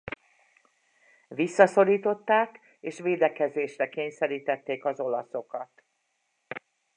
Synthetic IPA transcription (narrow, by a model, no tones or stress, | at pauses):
ʋisːɒso̞ɾiːt̪o̞t̪ːaːk | eːʃʋeːd̪ɛkɛzeːʃrɛkeːɲsɛɾiːt̪ɛt̪ːeːkɒzo̞lɒso̞kɒt̪